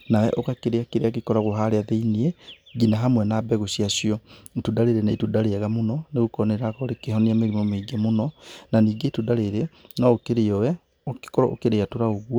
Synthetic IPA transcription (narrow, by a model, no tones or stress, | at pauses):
nawɛ̰ʔokakeɾeakeɾeakekɔɾaɣoɦaɾeaðeiniɛ | ɣinaɦamwɛnabɛɣoɕiaɕiɔtudaɾeɾeneitudaɾeaɣamonɔneɣokɔneɾakɔɾekeɦɔneameɾimɔmeiɡɛmonɔnaniːɡetudaɾeɾenɔokeɾeɔwɛ | okkɔɾɔ̰o̰keɾeatoɾaoɣwɔ